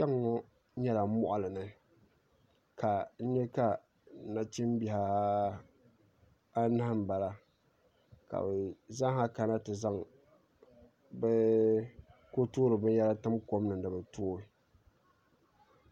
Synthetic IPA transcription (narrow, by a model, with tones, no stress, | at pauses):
t͡ʃa˦ŋːɔ˦ | ɲɛ˦la˨˦mɔ˦ʔa˨lɨ˨nɨ˨ | ka˨n̩˦ɲɛ˦ka˦˨ | na˨t͡ʃi˦m˦bi˨ha˦ | a˦na˦hm˨ba˨la˦ | ka̰˨bɛ˨za˦ɦa˦ka˨na˦tɨ˨za˦ŋ | bɛ˦ | ko˦tu˦ɾɨ˨bɨ˦n˦jɛ˦la˦tɨ˦mko˦mnɨ˨dɨ˨bɨ˨toː˦